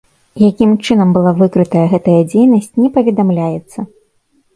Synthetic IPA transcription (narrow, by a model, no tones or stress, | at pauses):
jakʲimt͡ʂɨn̪ɐmbɨlˠavɨkɾɨt̪ɐjɐɣɛt̪ɐjɐd͡zʲejnɐsʲt͡sʲnʲɛpɐvʲɛd̪amlʲajɛt̪sːɐ